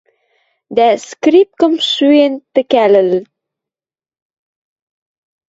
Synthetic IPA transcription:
d̪æskrip̚kə̆mʃyent̪ɘ̆kælɘ̆l

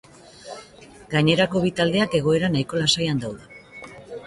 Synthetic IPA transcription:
ɡaɲe̞ɾako̞βit̪ald̪e̞ake̞ɣ̞o̞e̞ɾanajko̞lasajand̪awðe

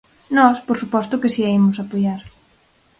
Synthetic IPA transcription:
nɔspoɾsupɔst̪ʊkɪsiaimʊsapojaɾ

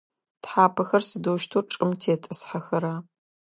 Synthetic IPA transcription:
tħaːpʰɐxɐrsɨdoːʃtʰuːrʈ͡ʂʼɨmtʰeːtʼɨsħɐxɐɾaː

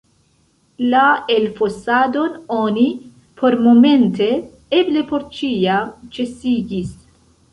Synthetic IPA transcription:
laelfosad̪o̞no̞ni | pʰo̞ɾmo̞me̞nte̞ | eble̞po̞ɾt͡ʃiat͡ʃe̞siɡis

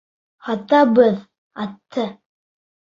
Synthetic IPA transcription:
hɑt̪ɑbɤð | ɑt̪ʰːɤ

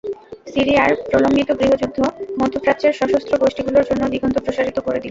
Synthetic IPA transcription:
siɾiaɾpɾoloŋɡit̪oɡɾiɦod͡ʑud̪ʱːomod̪ʱːopɾat̪ːt͡ɕeɾʃɔʃost̪ʰɾoɡoʃʈiɡuloɾd͡ʑonːod̪iɡʱont̪ʰopɾoʃaɾit̪okoɾed̪il

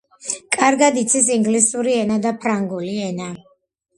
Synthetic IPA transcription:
kʼaɾɡad̪it̪sʰis̬iŋɡlisuɾiɛnad̪apʰɾaŋɡuliɛna

